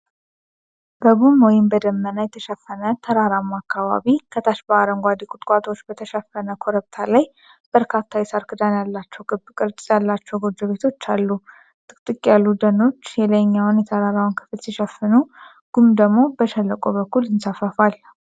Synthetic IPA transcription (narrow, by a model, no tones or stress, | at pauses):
b̥əβumwɔjɪmbəd̪əmːənajɛt̪ʰəʃɛfːənət̪ʰəɾaɾamːakʰːaβa̰βikʰət̪ʰaʃbəaɾəŋɡʷad̪ikʼʊt̪ʼkʼat̪ʰʼo̞t͡ʃːbət̪ʰəʃɛfənəkʰo̞ɾəβt̪ʰalaj | b̥əɾkʰat̪ʰːajɛsaɾkʰɨd̪anjalːat͡ʃːɛwɨbkʼɨɾt͡ʃʼsʼjalːat͡ʃːɛwɡo̞d͡ʒəβe̞t̪ʰo̞t͡ʃːalːu | t̪ʼɨkʼt̪ʼɨkʼjalːud̪əno̞t͡ʃːjɛləjɲːawʊnjɛt̪ʰəɾaɾawnkʰɨ̥flsiʃəfɨnu | ɡ̥umd̪əɡmo̞bəʃɛlːəkʼo̞bəkːulɪnsafəfal